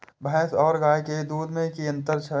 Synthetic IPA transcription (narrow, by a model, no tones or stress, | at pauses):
bʱɛ̃ːsɔːɾɡaːjked̪uːd̪mẽkiə̃nt̪əɾt͡ʃʰə